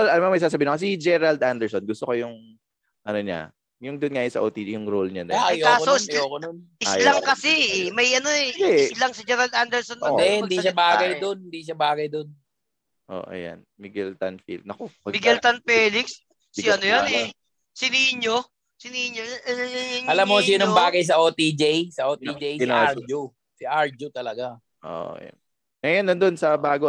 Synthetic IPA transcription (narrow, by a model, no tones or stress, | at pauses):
lɐlɐmamɐjsaːs̬ɐbiːɪnokɐs̬id͡ʒɛɾald̪ʔand̪ɛɹsonɡʊst̪okojʊŋ | ʔɐnoɲa̰ | jʊŋd̪onŋaːjonsɐ̰ʔoːt̪ijʊŋɾolɲanɐmɐjkaːsoʔɪsjokononʔɪslɐŋkɐsɛmɐjʔɐnoɛɛɪslɐŋsɪd͡ʒɛːɾɐld̪and̪ɛɹsonːɐd̪ɛɪd̪iʃabaːɡɐjd̪onhɪnd̪iʃ̬abaːɡɐjd̪on | ʔo̰ʔɐ̰ja̰nmiɡɛlt̪a̰nfḭld̪nɐkoɐmiɡɛlt̪ɐnfɛːlɪks | sɪɐnojonɛ | sɪniɪɲo | sɪnihɪɲo | ɲʔɐlamːosinoŋbaːɡɐjs̬ɐʔoːt̪id͡ʒejsɐʔoːt̪id͡ʒejsd͡ʒo | sɪʔaɹd͡ʒʊt̪ɐlɐɡa | ʔo̰ːja̰n | mɛjonːɐnd̪onsɐbaːɡo